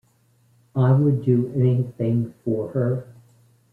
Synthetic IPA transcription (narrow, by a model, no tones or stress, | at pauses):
aɪwədɨɛniθɪ̃ŋfə˞ə˞